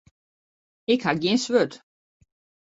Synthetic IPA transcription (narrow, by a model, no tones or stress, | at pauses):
ɪkhaɡjɪnsʋøt